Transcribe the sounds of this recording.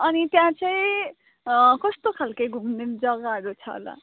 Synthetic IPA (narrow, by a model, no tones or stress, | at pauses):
ʌnit̪jãt͡sʌĩ | kʌst̪okʰalkʌjɡʱumned͡zʌɡaʌɾut͡sʰʌ̰la̰